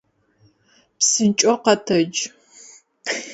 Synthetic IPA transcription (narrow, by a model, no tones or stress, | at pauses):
psɨnt͡ʃʼɔqɐtʰɐd͡ʒ